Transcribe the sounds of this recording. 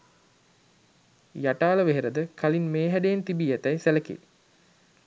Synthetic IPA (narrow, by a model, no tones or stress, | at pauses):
jaʈaːləʋeɦeɾəd̪əkʰalinmeːɦæɖejːnt̪ibiːæt̪æjsæləkḭl